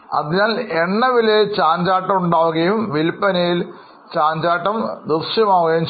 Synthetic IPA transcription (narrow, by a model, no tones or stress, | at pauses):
ɐ̰ðiɲaːleɳːɐʋilet͡ɕaːɲd͡ʑaːʈːɐmuɳɖaːʋuɣɐjumʋilpːɐnɐjil | t͡ɕaːɲd͡ʑaːʈːɐmd̪urʂjɐmaːʋuɣɐjumt͡ɕ